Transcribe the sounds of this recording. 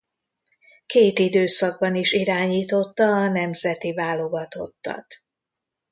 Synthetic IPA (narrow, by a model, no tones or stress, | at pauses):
keːt̪id̪øːsɒɡ̚bɒniʃiɾaːɲiːt̪o̞t̪ːɒːnɛmzɛt̪ivaːlo̞ɡɒt̪o̞t̪ːɒ̰t̪